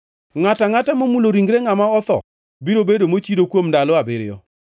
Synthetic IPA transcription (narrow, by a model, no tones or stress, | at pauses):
ŋataŋatamomuloɾiŋɡɾeŋamaɔt̪ɔ̰ | biɾobedomot͡ʃidokwomndalʊabɪɾɪɔ̰